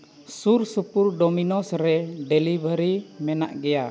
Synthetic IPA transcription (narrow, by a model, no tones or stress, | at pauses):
sursupurdɔminɔsɾɛdɛlibəɾimɛna̰ʔɡɛa